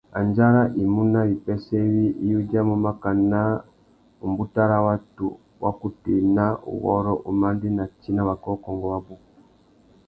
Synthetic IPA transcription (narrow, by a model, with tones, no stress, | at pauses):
a˨nd͡ʒa˦ɾa˦ʔi˨mu˦na˦βi˨pɛ˦sɛ˦βi˦ʔi˦ju˦d͡ʒa˦mu˨ma˦ka˨na˦ | u˨mbu˦ta˦ɾa˦wa˦tṵ˨ | wʔa̰˦ku˨ti˨na˦ʔṵ˨ɣɔ̰˦ɾɔ˦ʔu˨ma˦ndi˦na˨t͡ʃi˦na˦βa˨kɔ˦kɔ˨ŋɡɔ˨wa˦bu˦ku˨